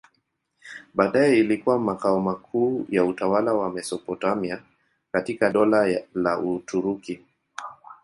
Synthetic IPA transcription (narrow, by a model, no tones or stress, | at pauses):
ɓaːɗajɛilikuwamakaɔmakʰuːjautawalawamɛsɔpɔtamia | katikaɗɔlalaʔutuɾuki